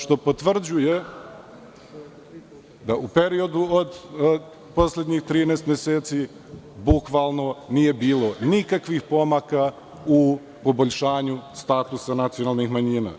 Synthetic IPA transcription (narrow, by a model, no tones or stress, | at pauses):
ʃt̪o̞po̞t̪ʋr̩d͡ʑuje | d̪aupe̞ɾio̞d̪uod̪ | po̞sled̪ɲixt̪ɾiːneːst̪mjeseːt̪si | bukʋalˠno̞nije̞biːlˠo̞nikakʋixpo̞maka | u | po̞bo̞ʎʲʃaːɲust̪aːt̪usanat̪sijo̞nalˠnixmaɲiːna̰